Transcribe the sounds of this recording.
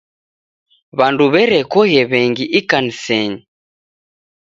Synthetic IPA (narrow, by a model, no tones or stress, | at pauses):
βanduβɛɾɛkɔɣɛβɛŋɡiʔikanisɛɲi